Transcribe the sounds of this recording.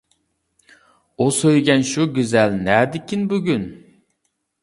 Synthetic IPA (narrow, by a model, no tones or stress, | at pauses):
usøjɡʲɛnʃuɡʲyzɛlnɛːd̪ɪkʲʰinbyɡʲyn